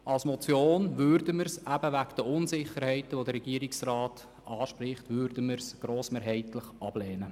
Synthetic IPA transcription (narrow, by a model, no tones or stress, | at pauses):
ʔɑlsmɔt͡sjoːnʋʏɾdəməɾsæb̥əʋækd̥əʊnsɪχəɾhɛɪtəʋodəɾɛɡiəɾɪksrɑːt | ʔɑːʃpɾɪχtʋʏɾdəməɾsɡ̥ɾoːsmeːɾɦɛɪtləχʔɑb̥lɛːnə